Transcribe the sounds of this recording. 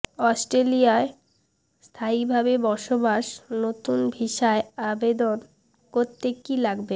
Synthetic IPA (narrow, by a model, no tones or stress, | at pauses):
ɔsʈɾelijae | st̪ʰaibʱabebɔɾʃobaʃnot̪unbʱiʃaeabed̪on | koɾt̪ːekːilaɡbe